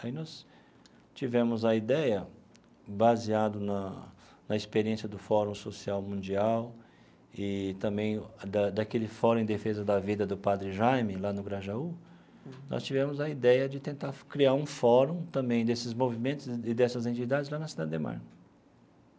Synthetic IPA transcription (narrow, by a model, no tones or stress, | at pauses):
ainɔs | t͡ʃivɛ̃mʊzɐid̪ɛjɐ | baziad̪ʊnɐ | nɐispeɾiẽsjɐd̪ʊfɔɾũw̃sosiawmũd͡ʒiaw | ɪt̪ɐ̃bẽj̃d̪ɐd̪ɐkelɪfɔɾɐ̃ẽd̪efezɐd̪ɐvid̪ɐd̪ʊpad̪ɾɪʒajmɪlanʊɡɾaʒau | nɔ̰st͡ʃivɛ̃mʊzɐid̪ɛjɐd͡ʒɪt̪ẽnt̪aɾkɾiaɾũfɔɾũw̃t̪ɐ̃mbẽj̃d̪esɪzmovimẽnt̪ʊzɪd̪ɛsɐzẽnt͡ʃid̪ad͡ʒɪzlanɐsid̪ad͡ʒɪd̪ema̰ɾ